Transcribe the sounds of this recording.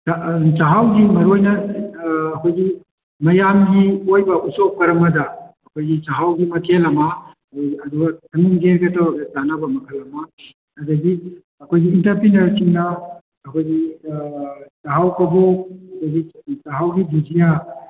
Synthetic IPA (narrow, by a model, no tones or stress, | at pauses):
at͡ʃaɦawɡimɐɾojnɐː | kʰojɡi | mɐjamɡiojbɐʔusop̚kɐɾɐmɐdɐː | kʰojɡit͡ʃaɦawɡimɐkʰelɐmɐ | ɐduɡɐtʰɐŋiŋɡeɾɡɐtatanɐbɐmɐkʰɐlɐmɐ | ɐdɐɡi | ɐkʰojɡiːntɐɾpinɐɾsiŋnɐː | kʰojɡi | t͡ʃaɦawkɐboɐkʰojɡit͡ʃaɦawɡibizija